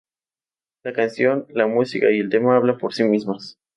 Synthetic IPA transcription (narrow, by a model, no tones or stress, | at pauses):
lakansjo̞nlamusikaielt̪e̞maaβ̞lampo̞ɾsimizmas